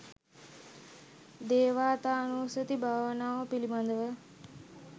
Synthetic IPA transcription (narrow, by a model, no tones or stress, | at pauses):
d̪eːʋaːt̪aːnuːsət̪ibʱaːʋənaːʋəpilimand̪əʋə